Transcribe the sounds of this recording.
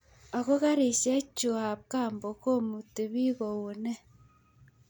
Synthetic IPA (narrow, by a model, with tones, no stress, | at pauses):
a˨ɣo˦ɣa˦ɾi˨se˦t͡ʃu˨ha˨βka˦˨mbo˨ko˦mu˨ti˨βi˦ɣo˨wu˨ne˦